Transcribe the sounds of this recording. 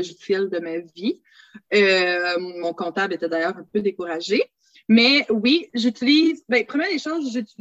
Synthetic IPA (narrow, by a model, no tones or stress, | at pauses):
ʒisɛld̪əmavi | ø | mɔ̃kɔ̃t̪ablet̪ɛd̪ajœːʁɛ̃pød̪ekuʁaʒe | mɛwiʒyt̪iliːzbɛ̃pχəmjɛd̪eʃoːzʒyt̪i